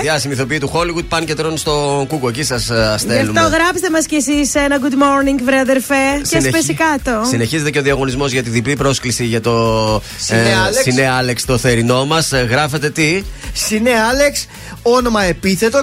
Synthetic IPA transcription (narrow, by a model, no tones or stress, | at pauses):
jɐst̪imiθo̞piit̪uxo̞liɣud̪̚pɐncet̪ɾo̞nst̪o̞kukuecisɐsɐselumt̪oɣɾɐpst̪emɐscesisenɐɡud̪moɾniŋɡvɾeɐðeɾfecenpesikɐt̪osine̞çize̞t̪eceo̞ðiɐɣo̞nizmo̞zʝɐt̪iðiplipɾo̞sklisiʝɐt̪o̞ | sineɐle̞kst̪o̞θe̞ɾino̞mɐsɣɾɐfe̞t̪e̞t̪isineɐle̞ks | ono̞mɐe̞piθe̞t̪o